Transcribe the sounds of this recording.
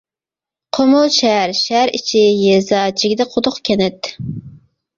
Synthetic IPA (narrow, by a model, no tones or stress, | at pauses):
qʰomʊlˠʃɛɦæɾʃæɾḭt͡ʃʰijezɑt͡ʃʰiɡʲid̪ɛqʰot̪ʊχkʲʰɛnɛt̪